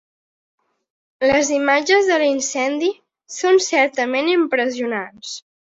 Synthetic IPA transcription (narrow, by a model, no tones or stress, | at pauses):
ləzimad͡ʒəzðəlinsɛnd̪i | sonsɛɾt̪əmenimpɾəziunans